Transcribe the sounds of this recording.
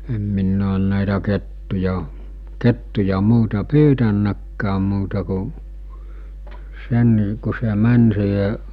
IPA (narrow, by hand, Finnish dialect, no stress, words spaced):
em minː oːn næˑitæ ketːujɑ ketːujɑ muːtɑ pyːtænːækːæːm muːtɑ ku sen ku se mæn siːhe